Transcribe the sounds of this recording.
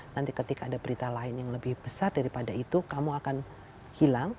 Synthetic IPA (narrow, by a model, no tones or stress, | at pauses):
nant̪ikət̪ikaːdabəɾit̪alaɪnjaŋləbɪhb̥əsardaɾipadait̪ukamuakan | hilaŋ